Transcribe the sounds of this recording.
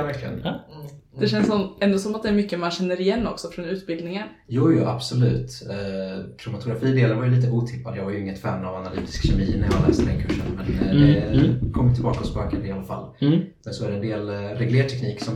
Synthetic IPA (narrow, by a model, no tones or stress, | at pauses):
væɾklɪɡə̰n | d̪ɛɕɛnsɔmɛnd̪ʊsɔmat̪̚d̪ɛæɾmʏkːəmanɕɛnːəɾɪjɛnːɔksɔfɾonʉ̟ːt̪bɪld̪nɪŋən | jɑːjʊːʔa̰b̥sɔlʉ̟̰ːt̪ | k̪ʰɾʊmʊt̪ʰʊɡɾafiːd̪eːlaɾvaɾjʏliːt̪̬əʔuːt̪ʰɪpːad̪jɑːvaɾjɵɪŋːət̪fɛɾmnavanalyːt̪ʰɪ̥skɕɛmiːnæɾjɑhalɛ̰ːst̪əd̪ɛ̰nkʰɵʂːə̰nmɛnd̪ɛkʰɔmːjt̪ɪbɑːkɔspøːkənalːafa̰lː | ɛnsɔæɖɛnd̪eːlɾɛɡleːʈ̪ʰɛkniːksɔm